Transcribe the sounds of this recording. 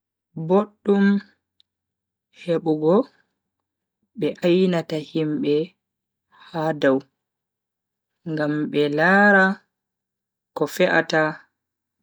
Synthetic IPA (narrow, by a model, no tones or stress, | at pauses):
boɗːum | heɓuɡɔ | ɓɛʔajnatahimɓɛ | hadaw | ŋɡamɓɛlaːɾa | kɔfɛʔa̰ta